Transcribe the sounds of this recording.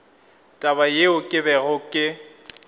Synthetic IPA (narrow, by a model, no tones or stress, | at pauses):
tʼabajeʊkʼɪbɛɣʊkʼɪ